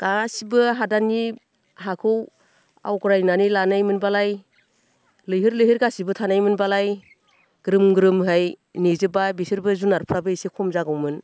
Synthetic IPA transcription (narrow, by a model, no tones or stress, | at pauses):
ɡ̥asibɯɦadani | ɦakʰɯw | a̰wɡɾajnanilanajmɯnbalaj | lɯjɦɯɾlɯjɦɯɾɡasibɯtʰanajmɯnbalaj | ɡ̥ɾɯmɡɾɯmɦɯj | nizɯbabisɯɾbɯzunaɾpʰɾabɯisikʰɔmzaɡɯwmɯn